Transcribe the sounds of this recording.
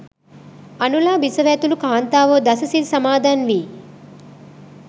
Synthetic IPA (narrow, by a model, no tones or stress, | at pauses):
ɐnulaːbisɐʋeːt̪ulukʰaːnt̪aːʋoːd̪ɐsɐsilsɐmaːd̪ʱaːnʋi